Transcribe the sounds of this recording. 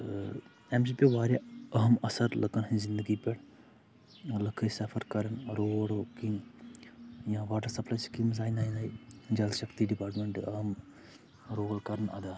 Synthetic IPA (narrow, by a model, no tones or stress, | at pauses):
emsipʲiʋaːɾjaɐɦɐmɐsɐɾlɐkɐnɦɐ̃zind̪əɡipɛɽ | lɐkʰɐsɐfʰɐɾkɐɾɐnɾoɽokim | jãːʋaːʈɐɾsɐplaːjskimzaːjnaːjnajid͡ʒɐlʃɐkt̪iɖipaːɾʈmeɳʈɨɐɦɐm | ɾoːʋɐlkɐɾɐnɐ̰d̪aː